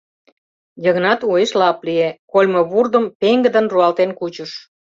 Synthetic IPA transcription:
jəɣnɑt̪ueʃlɑpliekolʲmoβurd̪əmpeŋɡə̆d̪ə̆nruɑlt̪enkut͡ɕəʃ

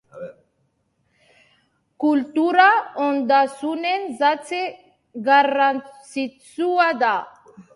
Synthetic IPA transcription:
kult̪uɾaond̪asunenzat͡se | ɡarant͡sit͡suad̪a

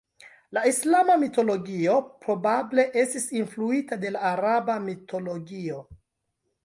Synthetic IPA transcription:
laislamamito̞lo̞ɡio̞pɾo̞bable̞ʔe̞stisinfluitade̞laːɾabamitʰo̞lo̞ɡio̞

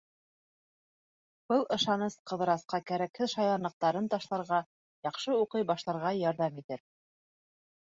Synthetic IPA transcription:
b̥ɤlˠɤ̆ʃɑnɤsqɤ̆ðɤ̆ɾɑsqɑkæɾækhɘðʃɑjˠɑnɤ̆q̚t̪ɑɾɤnt̪ɑʃlˠɑɾʁɑ | jɑqʃɤuqɤjbɑʃlˠɑɾʁɑjɑɾðɑmit̪ɘɾ

